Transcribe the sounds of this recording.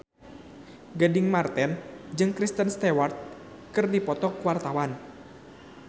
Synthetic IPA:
ɡadɪŋmart̪ɛnd͡ʒɨŋkɾist̪ənst̪ɛwart̪̚ | kɨrdipɔt̪ɔkwart̪awan

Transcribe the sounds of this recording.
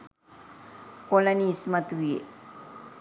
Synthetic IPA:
kolanismat̪uwiḛ

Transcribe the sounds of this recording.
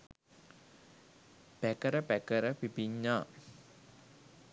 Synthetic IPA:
pækəɾəpækəɾəpipiɲːaː

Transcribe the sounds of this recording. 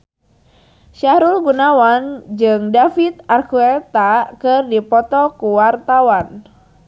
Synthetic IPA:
ʃaɾulɡunawand͡ʒɨŋdafit̪̚arkuɛt̪akɨrdipɔt̪ɔkuwart̪awan

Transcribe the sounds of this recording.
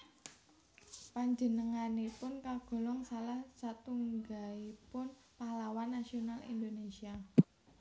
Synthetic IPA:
paɲd͡ʒə̤nəŋanepʊnkaɡ̥ɔ̤lɔŋsalahsat̪uŋɡaipʊn | pahlawanːasionalḭnd̪onesia

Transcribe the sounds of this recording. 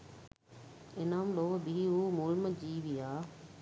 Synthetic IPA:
ɪnaːmloːbʱiumuːlməd͡ʑiːʋiaː

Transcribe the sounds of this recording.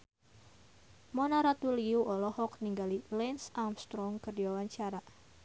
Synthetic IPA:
mɔnaɾat̪uliuʔɔlɔhɔkniŋɡalilɛnsamst̪ɾɔŋkərdiwawaɲt͡ʃaɾa

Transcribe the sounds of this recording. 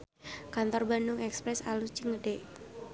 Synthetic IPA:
kant̪ɔrbandʊŋɛkspɾɛsalut͡ʃɪŋːədeʔ

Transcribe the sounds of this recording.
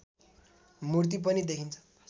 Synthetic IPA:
murt̪̬ip̬ʌnid̪ekʰint͡sʰʌ̥

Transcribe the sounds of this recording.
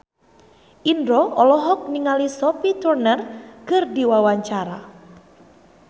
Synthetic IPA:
ʔindɾɔɔlɔɦɔk̚niŋalisɔpit̪urnərkɨrdiwawaɲt͡ʃaɾa

